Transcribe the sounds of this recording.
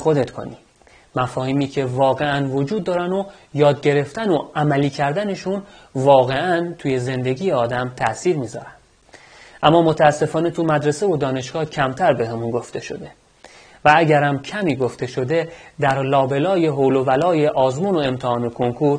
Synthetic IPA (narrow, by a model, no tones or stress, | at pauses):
xo̞d̪e̞t̪kʰo̰nḭː | mæfɒːhiːmiːcʰe̞vɒːɣe̞ænvo̞d͡ʒuːd̪ːɒːɾænojɒːd̪̚ɟe̞ɾe̞ft̪ænoʔæmæliːcʰæɾd̪æne̞ʃunvɒːɣe̞ʔænt̪ʰuːje̞ze̞nd̪e̞ɟiːje̞ɒːd̪æmt̪ʰæʔsiːɾmiːzɒ̰ːɾænd̪ | ʔæmːɒːmo̞t̪ʰæːsːe̞fɒːne̞t̪ʰumæd̪ɾese̞vod̪ɒːne̞ʃɡ̥ɒːcʰæmt̪ʰæɾbe̞ɦemunɡo̞ft̪ʰe̞ʃo̞̰d̪e̞ | vææɟæɾæmcʰæmiːɡo̞ft̪e̞ʃo̞d̪e̞d̪æɾlɒːbe̞lɒːje̞ɦowlo̞vælɒːjeʔɒːzmuːno̞e̞mt̪ʰehɒːnokʰo̞ŋkʰuɾ